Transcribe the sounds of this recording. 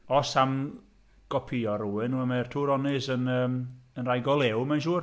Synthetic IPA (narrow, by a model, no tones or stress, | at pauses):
ɔsam | ɡ̥ɔpʰiɔruwɪnuamɛrtʰuːɾɔnɪsənəːmənrajɡɔlˠɛwmɛnʃuːr